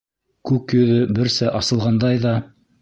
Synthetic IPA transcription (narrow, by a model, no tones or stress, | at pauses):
kʉkjɵ̆ðɵbɘ̆ɾsɘʔɑsɤ̆lˠʁɑnd̪ɑjðɑ